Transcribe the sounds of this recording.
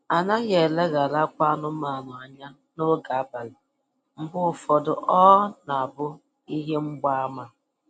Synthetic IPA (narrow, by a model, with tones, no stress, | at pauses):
a˨na˦ɣe˨le˦ɣa˨la˦kʷa˦nʊ˦ma˨na˨a˨ɲa˦ | nʊ˦ɾʊ˦ɡa˨a˦˨ba˨lɪ˨ | m̩˨bʊ˦ʊ˨fɔ˨dʊ˨ʔɔ˦na˨a˨bʊ˦ | i˦ɦe˦ŋ͡m̩˦ɡ͡ba˦a˦ma˦